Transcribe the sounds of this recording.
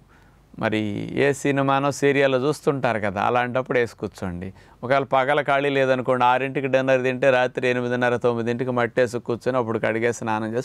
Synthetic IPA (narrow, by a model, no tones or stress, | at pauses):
mɐ̰ɾḭḛːsinimaːnoːsiːɾijaɐloːt͡ʃuːst̪uɳʈaːɾukɐd̪a̰ːɐ̰laːɳʈɐpːuɽeːsu̥kut͡ʃːoɳɖi | ɔkalɐpɐɡɐlɐkaːɭileːd̪ɐnukoːɳɖiaːɾiɳʈikiɖɐnːɐɾd̪iɳʈeːɾaːt̪ɾienimid̪inɐɾɐt̪omːid̪iɳʈikimɐʈːeːs̬ukːut͡ʃːɐniɐp̬ːuɽukɐɽiɡe̞ːsinaːnɐɲd͡ʒeːs